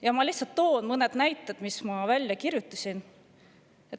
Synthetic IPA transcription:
jɑmɑliht̪sɑlt̪ːo̞ːnmɤned̪̥næjt̪ːˑed̪̥mismɑvælʲjɑkirjut̪ːˑu̥sʲin | et̪

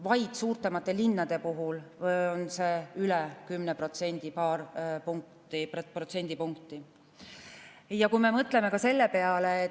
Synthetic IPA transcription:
vɑjd̪̥suːrt̪ˑemɑt̪ːˑe̞linːɑd̪̥e̞puɦulonse̞ylɛkymnepro̞t̪se̞nʲd̪̥ipɑːrpuŋk̚t̪ˑipprot̪se̞nʲd̪̥ipuŋkt̪ˑi | jɑkujme̞mɤt̪ˑle̞me̞kɑse̞lːe̞pe̞ɑle

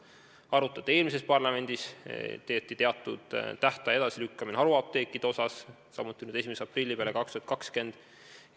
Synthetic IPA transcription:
ɑɾut̪ːˑɑt̪ːee̞ːlmise̞spɑrlɑme̞nʲd̪̥ist̪e̞ːt̪ːˑit̪e̞ɑt̪ːˑṵd̪̥t̪ːæht̪ɑe̞d̪ɑsilykːɑmineɑɾuɑp̚t̪e̞ːkːˑid̪eo̞sɑsː | ɑmːut̪ːˑinyːd̪e̞simeseɑprilːipele̞kɑkst̪uhɑt̪̚kɑkske̞nd̪̥

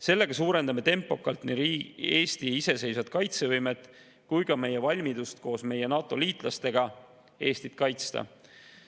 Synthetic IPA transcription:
se̞lːe̞ɡ̥ɑsuːɾe̞nd̪̥ɑme̞t̪e̞mpːˑo̞kːˑɑlt̪niiːe̞ːst̪iise̞se̞jsvɑd̪̥kɑjt̪se̞vɤjmet̪ːˑ | kujkɑme̞jevɑlʲmid̪ust̪ko̞ːsme̞je̞nɑːt̪ːˑo̞liːt̪ˑlɑst̪e̞ɡ̥ɑ | e̞ːst̪it̪kɑjt̪st̪ɑ̰

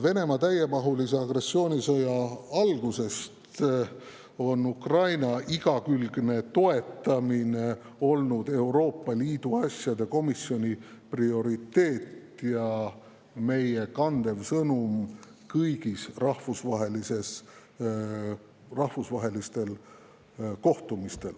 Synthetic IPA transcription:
ve̞ne̞mɑt̪æje̞mɑɦuliseɑɡre̞sːio̞ːnʲisɤjɑɑlɡ̥use̞st̪ | o̞nukrɑjnɑiɡ̥ɑkylɡ̥ne̞t̪o̞e̞t̪ːˑɑmine | o̞lnud̪̥e̞wɾo̞ːpˑːɑliːd̪̥uɑsʲjɑd̪e̞ko̞misio̞nʲiprio̞ɾit̪ːe̞ːt̪jɑ | me̞je̞kɑnd̪̥e̞vsɤnum | kɤjɡ̥isrɑhfusvɑɦe̞lise̞s | rɑhvusvɑɦe̞list̪e̞l | ko̞ht̪umist̪e̞l

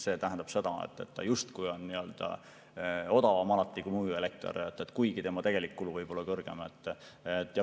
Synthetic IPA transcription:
se̞ːt̪æɦænd̪̥ɑb̥se̞d̪̥ɑḛt̪ːˑḛt̪ːɑ̰just̪kujo̞nniø̞ld̪̥ɑ̰ | o̞d̪ɑvɑmɑlɑt̪ˑːikumuelek̚t̪o̰ɾet̪ːˑet̪ːˑkujɡ̥it̪e̞mɑt̪e̞ɡ̥e̞likːuluvɤjb̥o̞lːɑkɤrɡ̥e̞̰met̪ːˑet̪ːˑjɑ

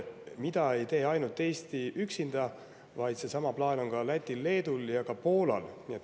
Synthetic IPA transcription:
mid̪ɑe̞jt̪e̞ːɑjnult̪ːˑe̞ːst̪iyksind̪̥ɑ | vɑjd̪se̞sɑmɑplɑːno̞ŋkɑlæt̪ʲːˑilːe̞ːd̪uljɑkɑpo̞ːlɑ̰lniet̪ː

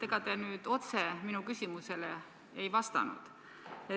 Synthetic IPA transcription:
e̞ɡ̥ɑt̪enyːd̪̥o̞t̪se̞minukysʲimuse̞le | ejvɑst̪ɑ̰nṵd̪̥ | e

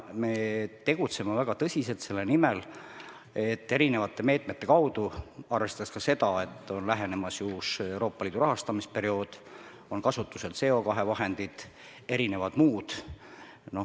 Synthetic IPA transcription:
met̪e̞ɡ̥ut̪se̞mevæɡ̥ɑt̪ɤsʲise̞lt̪se̞lːenimel | e̞t̪ːe̞ɾine̞vɑt̪ːˑeme̞ːt̪ˑme̞t̪ːe̞kɑwd̪̥uɑrve̞st̪ɑskɑse̞d̪ɑet̪ːˑo̞nlæɦe̞ne̞mɑsjuːse̞wɾo̞ːpːˑɑliːd̪uɾɑɦɑst̪ɑmispe̞ɾio̞ːd̪̥ | o̞nkɑsut̪ːuse̞lt̪se̞o̞kɑɦe̞vɑɦe̞nd̪̥id̪̥ | e̞ɾine̞vɑd̪̥muːd̪̥ | no̞

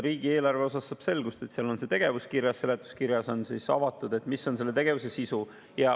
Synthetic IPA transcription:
ɾiːɡ̥ie̞ːlɑrve̞o̞sɑsːɑb̥se̞lɡ̥ust̪e̞t̪siɑlo̞nse̞t̪e̞ɡ̥e̞vuskiɾjɑsse̞le̞t̪ːˑu̥skiɾjɑso̞nsisɑ̰vɑt̪ːˑud̪̥e̞t̪ːˑmiso̞nselːe̞t̪e̞ɡ̥e̞vuse̞sisu | jɑ

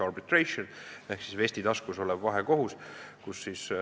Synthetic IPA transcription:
ɑrbit̪ˑrejʃonehksisve̞sʲt̪id̪ɑskuso̞lɛbvɑɦeko̞ɦuskusːis

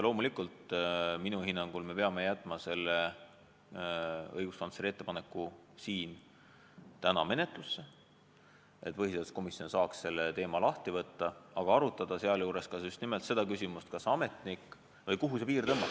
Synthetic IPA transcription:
lo̞ːmulikˑult̪minuhinːɑŋɡ̥ulme̞pe̞ɑme̞jæt̪ːˑmɑse̞lːe | ɤjɡ̥uspɑnseɾie̞t̪ːepɑne̞kːˑu | siːn | t̪ænɑme̞ne̞t̪ˑlusːe | ʔe̞t̪ːpɤɦiselt̪sko̞misjio̞nsɑːksse̞lːet̪e̞ːmɑlɑht̪ivɤt̪ːɑɑɡ̥ɑɑɾut̪ːˑɑd̪̥ɑseɑljuːɾe̞skɑsyst̪nime̞lt̪se̞d̪̥ɑkysʲimust̪̚kɑsɑme̞t̪nikː | vɤjkuɦuse̞piːrt̪ɤmːɑ

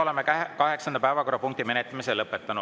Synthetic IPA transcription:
olemekɑɦe̞ksɑnd̪ɑpæevɑko̞rːɑpuŋk̚t̪ime̞net̪ːˑɑmiselɤpːˑet̪ːɑnu

